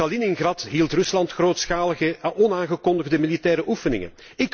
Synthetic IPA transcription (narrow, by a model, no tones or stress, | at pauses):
ɑlinɪŋɣrɑtɦiːlˠtrɵslɑntxroːtsxaːləɣəɔnaːŋɣəkɔndəɣdəmilitɛːɾəʔufənɪ̰ŋə̰n | ɪk